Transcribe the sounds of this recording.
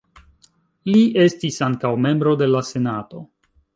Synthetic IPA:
liʔe̞stisaŋkawme̞mbɾo̞de̞lase̞nato̞

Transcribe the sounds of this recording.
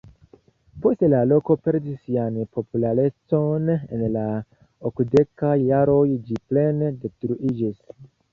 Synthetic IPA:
po̞stelalo̞ko̞pe̞ɾdisːianpʰo̞pulaɾe̞t͡so̞ne̞̰nla | okde̞kajːaɾo̞jd͡ʒiple̞nde̞stɾuʔid͡ʒis

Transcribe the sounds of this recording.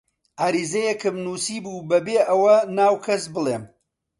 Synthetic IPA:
ʔaːɾiːzɐjɛkɨmnuːsiːbuːbɐbeːʔɐwɐnaːwkʰɐsbɨlˠeːm

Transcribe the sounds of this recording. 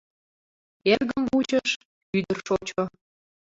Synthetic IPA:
erɣəmvut͡ɕəʃ | yd̪ərʃot͡ɕo

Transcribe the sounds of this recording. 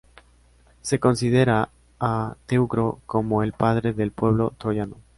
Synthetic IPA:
se̞ko̞nsið̞e̞ɾaː | t̪e̞ukɾo̞ko̞mo̞e̞lpað̞ɾe̞ðe̞lpwe̞β̞lo̞t̪ɾo̞jano

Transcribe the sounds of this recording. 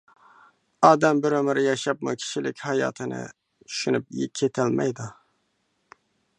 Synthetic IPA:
ɑːd̪ɛmbɪɾømɪɾjɑʃɑpmukʲʰi̥ʃilɪkʲhɑjɑ̰ːt̪ʰɨnɨ̰ | t͡ʃ̪ʰy̥ʃynyp̚jkʲʰːet̪ʰælmɛ̰jd̪u

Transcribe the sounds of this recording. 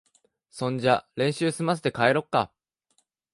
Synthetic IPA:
sõ̞ɲd͡ʑaɾẽ̞ɰ̃ɕɨːsɨmas̬ɨ̥t̪e̞kaeɾo̞kːa̰

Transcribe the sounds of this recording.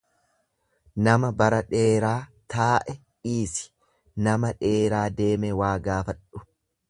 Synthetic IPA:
nɐmɐbɐɾɐᶑe̞ːɾaːt̪aːʔɛ | iːsɪ̥ | nɐmɐᶑe̞ːɾaːd̪e̞ːmɛwaːɡaːfɐᶑːʊ̥

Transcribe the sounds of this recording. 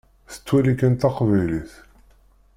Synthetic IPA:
θə̥t͡sːwælikːənt̪ɑqvæjliθ

